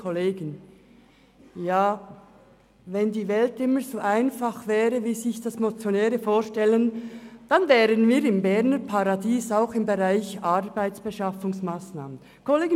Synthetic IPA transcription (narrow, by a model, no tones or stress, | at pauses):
kʰoleːɡən | jaː | vɛndiːvɛltɪməzoːʔaɪnfaχvɛːɾəviːzɪçd̥asmot͡sjonɛːɾəfoːʃtɛlənd̥anvɛːɾənviːɾɪmbɛʁnəpʰaʁɑdiːsaʊxɪmbəʁaɪçɑɾb̥aɪt͡sb̥əʃɑfʊŋsmaːsnaːmən | kʰoleːɡə